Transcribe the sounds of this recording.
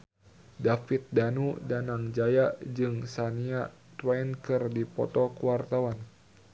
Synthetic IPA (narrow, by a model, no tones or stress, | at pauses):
dafit̪̚danudanaŋd͡ʒajad͡ʒɨŋsania | t̪wajnkɨrdipɔ̰t̪ɔkuwart̪awan